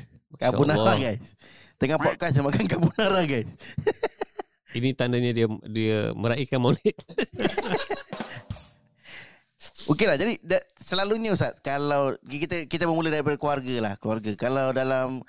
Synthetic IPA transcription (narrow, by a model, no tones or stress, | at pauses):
kaunaɾaɡajst̪əŋapaʔ̚kas̬amakankabunaɾaɡajs | init̪andaɲãdiadia̰məɾaikanmolɛt̪̚ | okelahd͡ʒadidasəlaluɲausat̪̚kalawkit̪akit̪aməmulahdaɾipadəkluarɡalahkluarɡakalawdalam